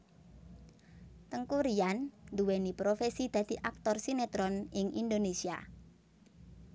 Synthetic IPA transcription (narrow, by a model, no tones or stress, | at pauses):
t̪əŋkuɾiannd̪uwenipɾofesid̪̥ä̤d̪̥i̤ʔak̚t̪ɔrsinet̪ɾɔnɪŋḭnd̪onesia̰